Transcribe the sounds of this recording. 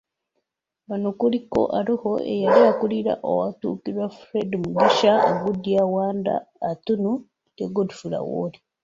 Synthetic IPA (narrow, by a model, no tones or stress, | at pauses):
βanokuliko̞̰ʔaɾiho̞ʔḛjalijakuliɾa̰ʔo̰watṵːkiɾwafɾedimuɡiʃaoɡudiawaːnda̰ːtunu | keɡodifuɾa̰wo̰di